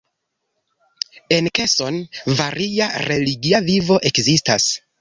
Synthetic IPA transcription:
e̞nke̞so̞nvaɾiaɾe̞liɡiavivo̞ʔe̞kzistas

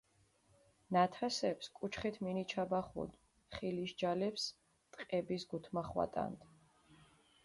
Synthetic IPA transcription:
nat̪ʰasɛpskʼut͡ʃʰχit̪ʰminit͡ʃʰabaχṵd̪ | χiliʃd͡ʒalɛps | t̪ʼqʼɛbisɡut̪ʰmaχwa̰t̪ʼa̰nd̪

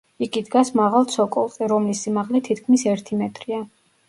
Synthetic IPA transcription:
iɡid̪ɡasmaʁalˠt̪sʰɔkʼɔlˠt̪ʼɛɾɔmlisːimaʁlɛt̪ʰit̪̚ʰkʰmisɛɾt̪ʰimɛt̪ʼɾia

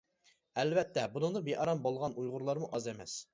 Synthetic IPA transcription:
ɛlvɛt̪ːɛbunɨŋd̪ɑbeʔɑɾɑmbolˠʁɑnujʁʊɾlˠɑɾmuʔɑzemɛ̰s

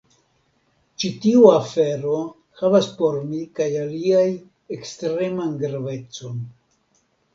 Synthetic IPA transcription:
t͡ʃitiuafe̞ɾo̞ | havaspo̞ɾmikajaliaj | e̞kstɾe̞manɡɾave̞t͡so̞n

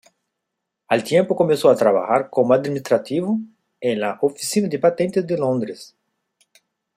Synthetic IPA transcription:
alt̪jẽmpokomẽnsoat̪ɾaβa̰xaɾkomoad̪minist̪ɾat̪ivo | ẽnlaʔofisinad̪epat̪ẽnt̪ezd̪elõnd̪ɾes

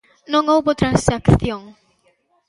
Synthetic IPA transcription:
noŋowbot̪ɾansakθjoŋ

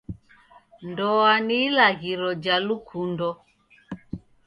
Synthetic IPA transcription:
ndɔanilaɣiɾɔd͡ʒalukʰundɔ

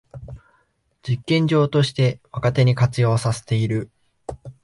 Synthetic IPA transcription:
d͡ʑikːẽ̞ɲ̟d͡ʑo̞ːt̪o̞ɕi̥t̪e̞βakat̪e̞ɲ̟ikat͡sɨjo̞ːsase̞̥t̪e̞iɾɯ̟

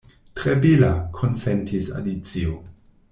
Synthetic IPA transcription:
tɾebilakʰont͡sentʰisa̰lit͡sio

